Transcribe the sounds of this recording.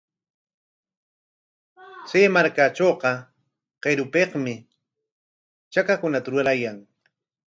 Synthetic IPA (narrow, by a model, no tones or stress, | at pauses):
t͡seːmaɾkat͡ʃoːqɑ | qeɾʊpeqmɪ | t͡ʃakakʊnat̪aɾʊlajaŋ